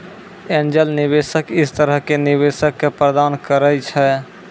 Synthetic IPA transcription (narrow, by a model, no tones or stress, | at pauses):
end͡ʒəlnibesəkɪst̪əɾəɦkeniβesəkːepɾəd̪ankəɾət͡ʃʰɛ